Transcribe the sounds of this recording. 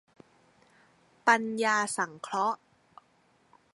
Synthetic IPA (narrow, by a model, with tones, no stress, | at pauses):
pa˧njaː˧sa˩˦ŋkʰlɔ˦˥ʔ